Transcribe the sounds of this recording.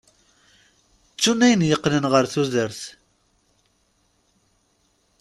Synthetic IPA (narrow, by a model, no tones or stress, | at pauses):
t͡sːunæjənjəqːnənʁəɾθuzəɾθ